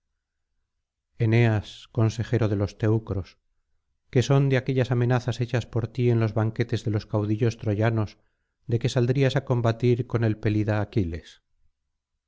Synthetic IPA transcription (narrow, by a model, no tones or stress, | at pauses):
e̞ne̞asko̞nse̞xe̞ɾo̞ðe̞lo̞st̪e̞wkɾo̞s | ke̞so̞nd̪eake̞ʎasamẽ̞naθase̞t͡ʃaspo̞ɾt̪ie̞nlo̞zβaŋke̞t̪e̞zðe̞lo̞skawðiʎo̞st̪ɾo̞ʝano̞z | d̪e̞ke̞sald̪ɾiasako̞mbat̪iɾko̞ne̞lpe̞liðaːkile̞s